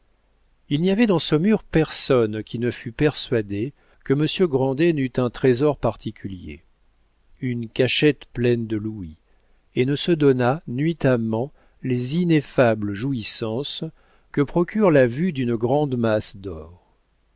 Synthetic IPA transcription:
ilniavɛd̪ɑ̃səmyʁpɛʁsɔnkʲinəfypɛʁsɥad̪e | kəməsjøɡʁɑ̃d̪enyt̪ɛ̃t̪χezɔʁpaʁt̪ʰikʲyljḛ | ynkaʃɛt̪plɛnd̪əlui | enəsəd̪ɔnanɥit̪amɑ̃ | lezinefabləʒuisɑ̃s | kəpχɔkʲyʁlavyd̪ynɡʁɑ̃d̪masd̪ɔːʁ

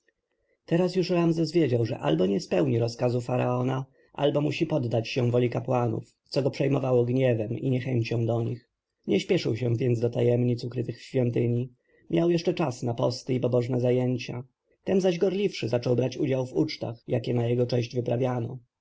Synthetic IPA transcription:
t̪ɛɾasjuʂɾamzɛsvʲjed͡ʑawʐɛ̰ʔa̰lbɔɲɛspɛwɲiɾɔskazufaɾaɔna | ʔa̰lbɔmuɕipɔd̪ːat͡ɕɕɛvɔlʲikapwanṵf | t̪sɔɡɔpʂɛjmɔvawɔɡɲɛvɛmḭɲɛxɛɲt͡ɕɔ̃w̃d̪ɔɲix | ɲɛɕpʲjɛʂɘwɕɛ̃vʲjɛnd̪zd̪ɔt̪ajɛmɲit̪sukɾɘt̪ɘxɕfʲjɔnt̪ɘɲi | mʲjawjɛʂt͡ʂɛt͡ʂasnapɔst̪ɘipɔbɔʐnɛzajɛɲt͡ɕa | t̪ɛnzaʑɡɔɾlʲifʂɘzat͡ʂɔwbɾat͡ɕud͡ʑawvut͡ʂt̪a̰xjakʲɛnajɛɡɔt͡ʂɛ̃ɕd͡ʑvɘpɾavʲjanɔ̰

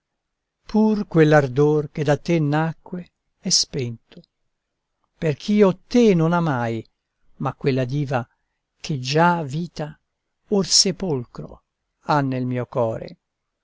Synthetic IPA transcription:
pʰurkwelːard̪ork̟ed̪at̪ːenːakːwe | ɛspɛnt̪o̥ | perk̟ʰiːot̪ːenonamaj | makwelːad̪iːva | kʰed͡ʒaviːt̪a | orsepolkɾo̰ | anːelmiːokɔːɾḛ

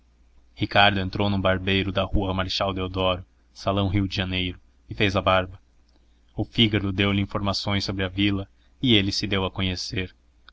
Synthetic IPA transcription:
hikaɾd̪ʊẽnt̪ɾownũbaɾbejɾʊd̪ɐhuɐmaɾʃawd̪ewd̪ɔɾʊ | salɐ̃w̃ɦiwd͡ʒɪʒɐnejɾʊ | ɪfejzɐbaɾbɐ | ʊfiɡɐɾʊd̪ewlɪĩfoɾmasõj̃sːobɾɪɐvilɐ | ɪelɪsɪd̪ewɐkõɲeseɾ

